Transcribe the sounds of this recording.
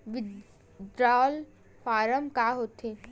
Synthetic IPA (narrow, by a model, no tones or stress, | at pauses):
ʋɪ | d̪ɾaːl | faːɾəmkaːɦoːt̪eː